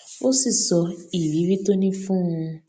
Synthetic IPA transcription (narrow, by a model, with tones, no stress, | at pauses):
o˦si˨sɔ˨i˨wi˨˦ɾi˦to˦nĩ˦fũ˦ŋũ˧